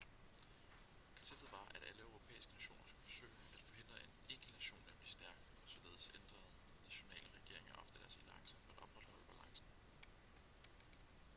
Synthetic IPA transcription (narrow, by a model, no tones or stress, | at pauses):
kʰɒ̽nseb̥̚d̥ð̩ˠʋɑ̈æɾ̥æləøʊʁo̝pʰḛːisɡ̥ənæɕo̝̰ːn̰ʔɐsɡ̥ufɒ̽sø̰ːɪæd̥fɒ̽he̝n̰d̥ʁɐene̝ɡ̥ənæɕo̝̰ːnʋæb̥lisd̥æɐɡ̥ | ɒ̽sɒ̽le̝ːð̩ˠsend̥ʁɐð̩ˠ | næɕo̝nɛ̰ːləʁɛɡ̥e̝̰ɐe̝ŋɐʔɒ̽fd̥əd̥æɐsæliɑ̈ŋsɐfɒ̽æd̥ɒ̽b̥ʁɑd̥hɒ̽l̰əb̥ælɑ̈ŋsn̩